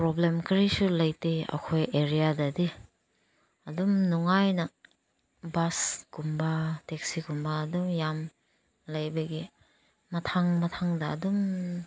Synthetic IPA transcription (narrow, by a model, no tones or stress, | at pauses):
pɾɔblemkɾisulɐjteɐ̰kʰojeɾijadɐdi | ɐdumnuŋajnɐ | basɡumbatek̚siɡumbaːdumjam | lɐjbɐɡi | mɐtʰaŋmɐtʰaŋdɐ̰ːdum